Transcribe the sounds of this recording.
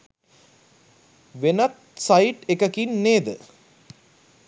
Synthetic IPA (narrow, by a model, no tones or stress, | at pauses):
ʋenɐt̪̚sajʈekəkinːeːd̪ə